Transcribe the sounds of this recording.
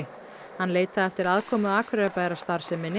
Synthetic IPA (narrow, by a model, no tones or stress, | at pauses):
hanleːjt̪aðɛft̪ɪɾaðkʰɔːmʏaːkʰvɾœpaːjɾast̪aɾ̥sɛmːɪnɪ